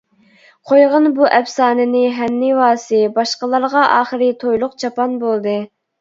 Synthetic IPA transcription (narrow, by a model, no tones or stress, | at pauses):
qʰojʁənbuʔɛpsɑːnɪnɪɦɛnːɪwɑːsɨbɑʃqəlˠɑɾʁɑʔɑːχəɾɨt̪ʰojlˠʊqt͡ʃʰɑpɑnbolˠd̪ɨ